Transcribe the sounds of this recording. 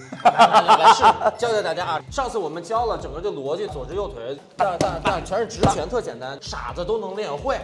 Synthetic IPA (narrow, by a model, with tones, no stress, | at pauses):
a˧˥ʂt͡ɕjɑ˥t͡sɪt̪a˥˧˩t͡ɕja˥˧˩ʂɑ˥˧ŋt͡sʰɹ̩˩wɔ˨˩mə˦nt͡ɕjɑ˥ʊlə˨ʈ͡ʂŋɡə˦t̪we˥˩ɪlwɔ˧˥t͡ɕi˥˩t͡swɔ˨˩ʈ͡ʂɻ̩˥jo˥˩ʊt̪ʰwe˧˥ɪ | na˥˧˩na˥˩t̪a˥˩t͡ɕʰɥɛ˧˥ɻə˥˩ʈ͡ʂɻ̩˧˥t͡ɕʰɥɛ˧˥nt̪ʰɤ˥˩t͡ɕjɛ˨˩nt̪a˥nʂa̰˨˩d͡zə˦t̪o˥ʊnɤ˧˥ŋljɛ˥˧nxwe˥˩ɪ